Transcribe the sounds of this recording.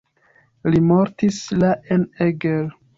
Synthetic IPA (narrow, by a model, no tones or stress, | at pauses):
limoɾtislaʔeneɡel